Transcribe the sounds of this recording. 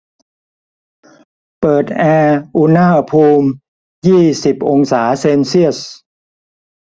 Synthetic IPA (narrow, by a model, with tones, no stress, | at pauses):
pɤː˨˩t̪̚ʔɛː˧ʔu˧naː˥˩pʰuː˧m | jiː˥˩si˨˩p̚ʔo˧ŋsaː˩˦seː˧nsi˥˩əs̚